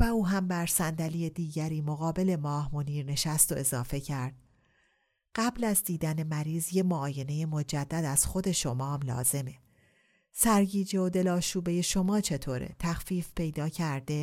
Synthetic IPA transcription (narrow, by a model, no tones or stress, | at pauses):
væuːɦæmbæɾsænd̪ælijed̪iːɟæɾiːmo̞ɣɒːbe̞le̞mɒːhmoniːɾne̞ʃæst̪o̞ʔe̞zɒːfe̞cʰæɾd̪̥̚ | ɢ̥æblæzd̪iːd̪æne̞mæɾiːzjemoːje̞ne̞je̞mo̞d͡ʒæd̪ːæd̪æz̥xo̞d̪e̞ʃo̞mɒːmlɒ̰ːze̞me̞ | sæɾɟiːd͡ʒe̞od̪e̞lɒːʃuːbe̞je̞ʃo̞mɒːt͡ʃʰe̞t̪ʰoːɾḛt̪ʰæxfiːfpe̞jd̪ɒːcʰæɾd̪e̞